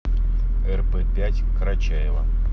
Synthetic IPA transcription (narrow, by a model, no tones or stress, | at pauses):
ɛrpɛpʲætʲkɾɐt͡ɕajɪvɐ̰